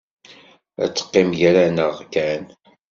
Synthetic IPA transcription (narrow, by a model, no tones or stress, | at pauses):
æ̰t͡sːə̥qːɪmʝæɾænəʁkæn